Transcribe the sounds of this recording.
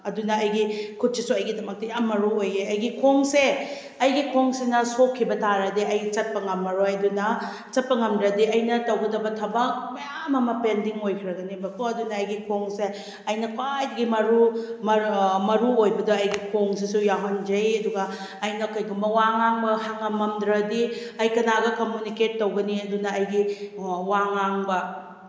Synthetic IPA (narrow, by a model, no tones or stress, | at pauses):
ɐdunɐɐjɡikʰut̚sisuɐjɡidɐmɐk̚tɐjamːɐɾuojeɐjɡikʰoŋse | ɐjɡikʰoŋsinɐsokʰːibɐtaɾɐdiɐjɡit͡ʃɐt̚pɐŋɐmːɐɾojɐdunɐ | t͡ʃɐt̚pɐŋɐmdɾɐdiɐjnɐtɐwɡɐdɐbɐtʰɐbɐk̚mɐjamɐmɐpendiŋojkʰɾɐɡɐnibɐkʰoɐdunɐːjɡikʰoŋse | ɐjnɐkwajdɡimɐɾumɐmɐɾuojbɐdoɐjɡikʰoŋs̬esujaɦond͡ʒɐjɐduɡɐː | jnɐkojɡumɐwaŋaŋbɐhaŋɐmːɐmd̪ɾɐdiɐjkɐnaɡɐkomjuniket̚ːowɡɐniɐdunɐːjɡiwaŋaŋbɐ